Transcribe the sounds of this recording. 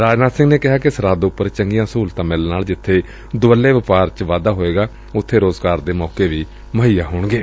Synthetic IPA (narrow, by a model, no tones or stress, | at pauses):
ɾaːd͡ʒnaːd̪sɪ̃ŋɡneːkɪɦaːkɪsəɾaːd̪ʊpːəɾt͡ʃəŋɡijãːsuːlt̪ãːmɪlnaːld͡ʒɪt̪ʰːeː | d̪ʊʋəlːeːʋɪpaːɾt͡ʃʋaːd̪aːɦoːeːɡaː | ʊt̪ʰːeːɾoːzɡaːɾd̪eːmɔːkeːʋiː | məɦiːjaːɦoːɳɡeː